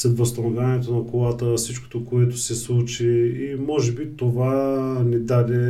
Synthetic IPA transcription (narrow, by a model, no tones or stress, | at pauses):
sɛd̪vɐst̪ɐnovʲjaniɛt̪onɐkolˠat̪əsit͡ʃko̥t̪okoɛt̪ʊsɛslˠut͡ʃiimɔʒɛbit̪ovanid̪ad̪ɛ